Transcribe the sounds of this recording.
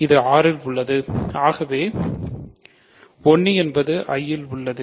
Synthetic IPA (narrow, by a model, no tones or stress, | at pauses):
ɪðɯaːɾɪlʊɭːɐðɯaːɣɐʋeː | ɔɳːiɛnbɐðɯʔɐjːɪlʊɭːɐðɯ